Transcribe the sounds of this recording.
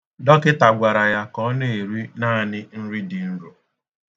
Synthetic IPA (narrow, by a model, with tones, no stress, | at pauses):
dɔ˦kɪ˦ta˨ɡʷa˨ɾa˨ja˦kɔ˦ne˦˨e˨ɾi˦naː˦˨nɪ˦n̩˦ɾi˦dɪ˨n̩˦ɾo˨